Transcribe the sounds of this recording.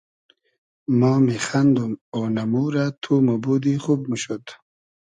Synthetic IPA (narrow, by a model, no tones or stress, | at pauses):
mɑːmiχand̪umonamuɾat̪ʰumabud̪iχub̚məʃot̪